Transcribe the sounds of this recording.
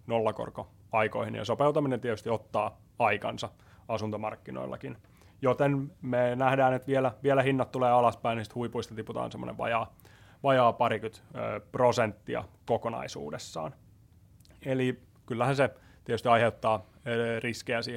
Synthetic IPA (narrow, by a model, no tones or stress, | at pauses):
nolːɑko̰rko | ɑiko̰ihinjɑ̰sopeut̪ɑminent̪iet̪yst̪iot̪ːɑː | ɑikɑ̰nsɑ | ɑsunt̪omɑrkːino̰ilːɑ̰kin | jot̪enmenæhdæːnet̪ʋielæʋielæhinːɑt̪t̪ːuleːɑlɑspæinisi̥t̪huipuist̪ɑt̪iput̪ɑ̰ːnsemːo̰nḛʋʋɑ̰jɑː | ʋɑjɑːpɑrikyt̪ːprosent̪ːiɑ̰kokonɑ̰isṵːdesːɑ̰ːn | eli | kylːæhænse | t̪iet̪yst̪iɑiheut̪ːɑːriskeæsiː